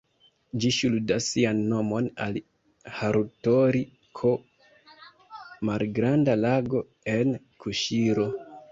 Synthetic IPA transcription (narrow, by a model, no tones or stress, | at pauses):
d͡ʒiʃuldasːianːo̞mo̞na̰li | haɾutoɾi | kʰo | malɡɾandalaɡo̞ | e̞n | kʰuʃiɾo̞